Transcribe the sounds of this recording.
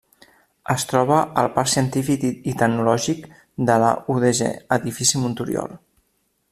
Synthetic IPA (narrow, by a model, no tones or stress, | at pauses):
əst̪ɾɔβəʔəlˠpaɾsiənt̪ifikit̪əknulɔʒik | d̪ələ̰uðeʒḛəðifisimunt̪uɾj̰o̰lˠ